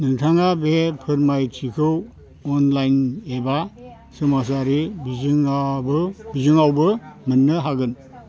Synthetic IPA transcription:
nɯŋtʰaŋabepʰɯɾmajtʰikʰɯw | ɔnlajneba | sɯmas̬aɾibiŋa | bizɯŋawbɯmɯnːɯɦaɡɯn

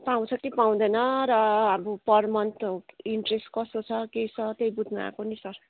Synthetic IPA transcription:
paw̃t͡sʰʌkipaw̃d̪ʌjnʌɾʌːbupʌrmʌnt̪iɳʈresʈkʌst̪ot͡sʰʌkejt͡sʰʌt̪ejbud̪ʱma̰konisʌr

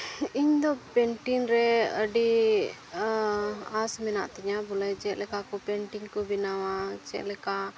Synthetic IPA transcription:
iɲd̪ɔpɛɳʈinɾɛəɖi | asmɛnaʔt̪iɲabɔlad͡ʒɛʔ̪lɛkakɔpɛɳʈiŋkɔbinawat͡ʃɛ̰ʔ̪lɛka

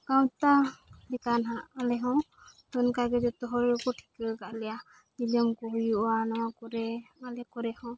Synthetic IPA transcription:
kawt̪alikanɦãʔalɛɦɔ̃ | t̪ɔnkaɡɛd͡ʒɔt̪ɔɦɔɾiɾɔkɔʈʰi̥kɯɡaʔlɛja | ilɔmkɔɦujuʔwanɔwakɔɾɛalɛkɔɾɛhɔ̃

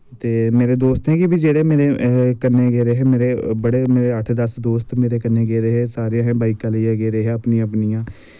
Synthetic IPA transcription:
t̪eːmeːɾeːd̪oːst̪ɦɛ̃ːkɪbiːd͡ʒeːɽeːmeːɾeːkənːeːɡeːɾeːɦɛːmeːɾeːbəɽeːmeːɾeːəʈʰd̪əsd̪oːst̪meːɾeːkənːẽːɡeːɾeːɦɛːsaːɾãːɦɛ̃ːbaːiːkaːleãːɡeːɾeːɦɛːəpniãːpnijãː

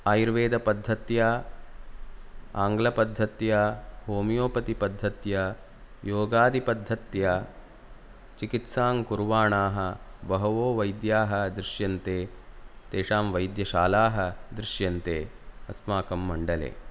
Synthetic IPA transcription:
aːjiɾʋeːd̪ɐpɐd̪ʱːɐt̪jɐ | aːŋɡlɐpɐd̪ʱːɐt̪jɐɦoːmijoːpɐt̪ipɐd̪ʱːɐt̪jɐ | joːɡaːd̪ipɐd̪ʱːɐt̪jɐ | t͡ʃikit̪saːŋkuɾʋaːɳaːɦɐbɐɦɐʋoːʋɐjd̪jaːɦɐ̆d̪ɾɪʃjɐnt̪eːt̪eːʂaːmʋɐjd̪jɐʃaːlaːɦɐ̆d̪ɾɪʃjɐnt̪eː | ɐsmaːkɐmːɐɳɖɐlḛː

